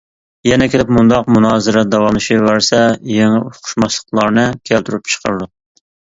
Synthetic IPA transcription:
jɛnɛkʲʰelɪpmund̪ɑqmunɑːzɨɾɛd̪ɑwɑmɨʃivæɾsɛjeŋuqʰʊ̥ʃmɑʃlˠə̥qlˠɑɾnɨkʲʰælt̪ʰyɾyp̚t͡ʃʰə̥qʰə̰ɾɨd̪u

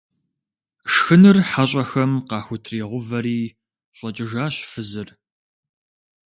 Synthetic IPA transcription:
ʂxɨnɨrħaɕʼɐxɐmqɑːxʷʊtʰreːʁʷʊvɐɾiː | ɕʼɐt͡ʃʼɪʒaːɕfɨzɨr

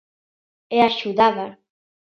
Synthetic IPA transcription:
eaʃuðaða

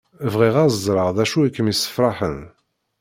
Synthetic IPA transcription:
vʁiʁazzˤɾˤəʁðæʃuikːəmjisə̥fɾˤɑħən

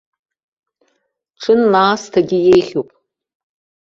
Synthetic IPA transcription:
ʈ͡ʂʰɨnlaːstʰaɡʲɪjejχʲupʼ

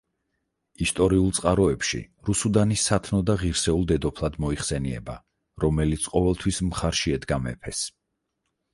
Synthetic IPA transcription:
ist̪ʼɔɾiulˠt̪sʼqʼaɾɔɛpʃḭɾusud̪anisat̪ʰnɔd̪aʁiɾsɛulˠd̪ɛd̪ɔpʰlˠad̪mɔiχsɛniɛ̰ba | ɾɔmɛlit̪sʰqʼɔvɛlˠt̪ʰwismχaɾʃiɛd̪ɡamɛ̰pʰɛs

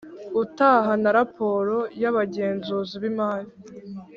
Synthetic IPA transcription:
utaɦanaɾapʰo̞ɾo̞jaβaɟe̞ːnzuːziβimaːji

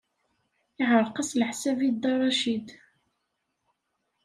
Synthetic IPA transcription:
ɪʕəɾˤqəslħsævid̪ɑrˤɑʃid̪

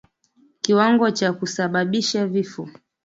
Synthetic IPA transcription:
kiwaŋɡɔt͡ʃakusaɓaɓiʃavifɔ

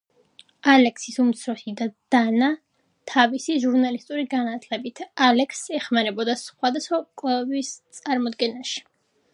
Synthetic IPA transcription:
alɛksisumt̪sʰɾɔsid̪ad̪̥ana | t̪ʰavisiʒuɾnalist̪ʼuɾiɡanat̪ʰlɛbit̪ʰalɛksɛχmanɛbɔd̪asχwad̪asχwakʼlɛbist̪sʼaɾmɔd̪ɡɛnaʃi̥

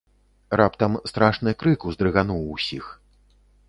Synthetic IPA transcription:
rapt̪ɐmst̪ɾaʂnɨjkɾɨkuzd̪ɾɨɣanuwsʲix

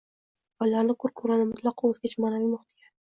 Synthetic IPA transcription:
bɒlːaɾnɪkʰʊɾkʰɵɾanɪmʊt̪ʰlˠɑqʰɑozɡʲat͡ʃʰmanavimʊχt̪ʰɪɡʲa

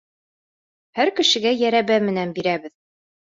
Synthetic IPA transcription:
hæɾkɘ̆ʃɘ̆ɡæjæɾæβæmɘ̆nænbiɾæβɘð

